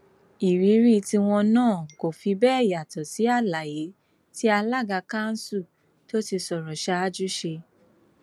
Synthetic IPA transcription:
i˨ɾi˨˦ɾi˦ti˧w̃ɔ̃˧nãː˦˨ko˨fi˧bɛː˦ɛ˦˨ja˨tɔ˨si˨˦a˦˨la˨je˨˦ | ti˦a˧la˦˨ɡa˧ka˦˨n̩˦su˦˨ | to˦ti˧sɔ˨ɾɔ˨ʃa˧˦a˦d͡ʒu˦ʃe˧

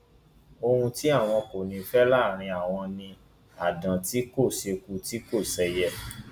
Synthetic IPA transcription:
o˧hũ˧ti˦a˦˨w̃ɔ̃˧ko˨nĩ˧fɛ˦la˦˨ɾ̃ĩ˧a˨w̃ɔ̃˧nĩ˧ | a˨dã˨ti˦ko˦˨se˧ku˦ti˨˦ko˦˨sɛ˧jɛ˧

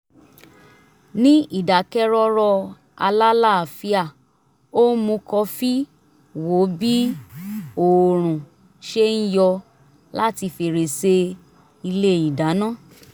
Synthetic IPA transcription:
nĩ˦i˦˨da˨kɛ˦ɾɔ˦ɾɔ˧ | a̰˧la˦la˦˨a˨fi˧˦a˦˨ | o˦mũ˧kɔ˧fi˦ | wo˨˦bi˦ | o˨ɾ̃ũ˨ | ʃe˦n̩˦jɔ˧ | la˦ti˧fe˧˨ɾe˨se˧˦ | i˧le˦˨i˨da˨˦nãː˦˨

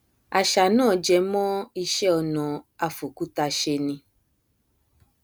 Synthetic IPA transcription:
a˨ʃa˨nãː˦˨d͡ʒɛ˧˦mɔ̃˦i˧ʃɛ˦ɔ˧nɔ̃˨a˧fo˨ku˨˦ta˧ʃe˧nĩ˧

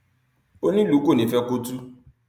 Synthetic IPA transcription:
o˦nĩ˦lu˨˦ko˦˨nĩ˨˦fɛ˦ko˦tu˦

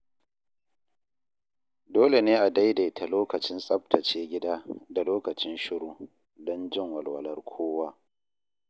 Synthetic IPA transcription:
doː˦le˨neː˦ʔa˨da˦jda˨tʰa˨loː˦kɐ˨t͡ʃɪ˦nsʼɐ˦p̚tʰɐ˨t͡ʃeː˦ɡʲɪ˦daː˦da˨loː˦kɐ˨t͡ʃɪ˦nʃɪ˦ɽuː˦ | dɔ˦nd͡ʒɪ˦˨ŋwɐ˨lwɐ̰˨lɐ˦rkʷʰoː˦waː˦

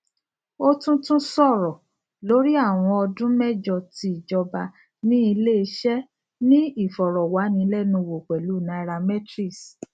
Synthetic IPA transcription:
o˦tũ˦tũ˦sɔ˦˨ɾɔ˨ | lo˨˦ɾi˦a˦˨w̃ɔ̃˧ɔ˧dũ˦mɛ˦˨d͡ʒɔ˧ti˧˦i˨d͡ʒɔ˧ba˧ | nĩ˦i˧le˦˧ʃɛ˦ | nĩ˦i˦˨fɔ˨ɾɔ˨wa˨˦nĩ˧˦lɛ˦˨nũ˧˨wo˨k͡pɛ˨lu˨˦˨nã˨˦˧ɾa˧mɛ˦tɾi˦˨s

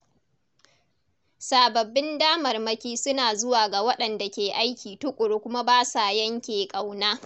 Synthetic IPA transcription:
saː˨bɐ˨bːɪ˦ndaː˦mɐ˨rmɐ˦kʲiː˦sʊ˦naː˨zʊ˦waː˨ɡa˨wɐ˦ɗɐ˨nda˨kʲeː˨ʔa˦jkʲiː˨tʊ˦kʷʼʊ˨ɽo˦kʷʊ˦ma˦baː˦saː˨jɐ˦ŋkʲeː˨kʼa˨wnaː˦

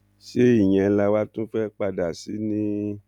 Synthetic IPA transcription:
ʃe˦i˦˨j̃ɛ̃˧la˧wa˦tũ˦fɛ˦k͡pa˧da˨si˨˦nĩ˦

